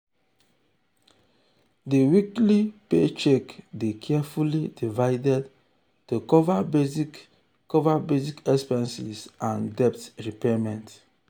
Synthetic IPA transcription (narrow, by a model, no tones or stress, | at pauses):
diwiklipet͡ʃɛkdekʰɛafulidivaɪdɛd | tukɔvabezik | kɔvabezikɛkspãnsisãndɛp̚tɹipɛamɛ̃nt